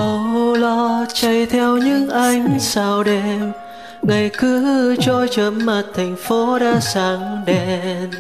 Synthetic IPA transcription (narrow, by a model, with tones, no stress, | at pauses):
kɔ˨˩mu˧lɔ˧˩t͡ɕə˧˩jt̪ʰɛ˧wɲɨ̰˧˥ŋʔa˧jŋ̟saː˧˩wɗe˧˩m | ŋa˨˩jkɨ˨˧˦t͡ɕɔ˧t͡ɕə˨˦mmaː˨˩t̚t̪ʰa˨˩jŋ̟fo˨˦ɗaː˧saː˨˦ŋɗe˧˩n